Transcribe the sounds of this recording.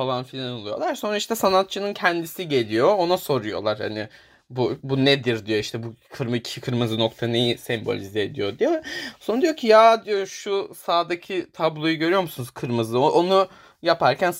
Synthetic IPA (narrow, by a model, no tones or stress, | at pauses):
falˠanfilʲanolˠujo̞̰lˠaɾso̞nɾaiʃt̪ʰɛsanat̪̚t͡ʃʰɯnɯncʰɛnd̪isiɟe̞lʲijo̞ːnaso̞ɾujo̞̰lˠaɾha̰nɪ | bubunɛd̪iɾd̪ijo̞iʃt̪ʰɛbukʰɯɾmicʰikʰɯɾmɯzɯno̞kt̪ʰane̞jisɛmbo̞̰lʲizeːd̪ḭjo̞d̪ijesond̪ijo̞cʰijaːd̪ijo̞ʃusaːd̪acʰit̪ʰablˠo̞juɟø̞ɾyjo̞ɾmusunuzkʰɯɾmɯzlˠɯoʔonu | japʰaɾcʰæn